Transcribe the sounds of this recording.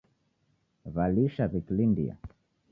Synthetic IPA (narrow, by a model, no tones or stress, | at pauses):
valiʃaβiklindḭa̰